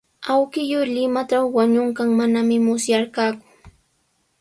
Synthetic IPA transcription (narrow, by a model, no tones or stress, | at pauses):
awkɪjoɾʎɪmaʈ͡ʂawwaɲʊɴkaŋmanamɪmʊsjaɾkaːkʊ̥